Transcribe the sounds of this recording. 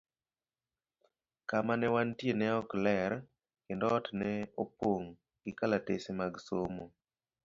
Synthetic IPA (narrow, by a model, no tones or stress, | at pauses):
kamanɛwantjenɛɔklɛɾ | kendɔːtnɛopoŋ | ɡ̥ɪkalatesemaɡsomo